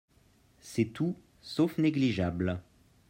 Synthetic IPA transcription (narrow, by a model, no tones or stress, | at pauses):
sɛt̪u | sofneɡliʒabl